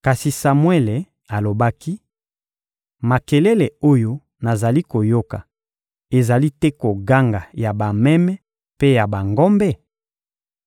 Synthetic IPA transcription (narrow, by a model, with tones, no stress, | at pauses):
ka˨si˨sa˨mwɛ˦le˨ | a˨lo˨ba˦ki˦ | ma˨kɛ˨lɛ˦le˨o˦jo˦ | na˨za˨li˦ko˨jo˦ka˨ | e˨za˨li˦tɛ˦ko˨ɡa˦ŋɡa˨ja˨ba˨mɛ˦mɛ˦ | pe˦ja˨ba˨ŋɡɔ˦mbɛ˦